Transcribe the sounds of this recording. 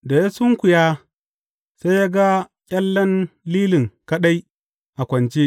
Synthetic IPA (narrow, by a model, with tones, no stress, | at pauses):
da˨ja˦sʊ˦ŋkʷʊ˨jaː˦ | sa˦jja˦ɡa˦ | kʲʼɐ˦lːɐ˦nliː˦lɪ˨ŋkɐ˦ɗa˦j | ʔa˨kʷɐ˨nt͡ʃe˦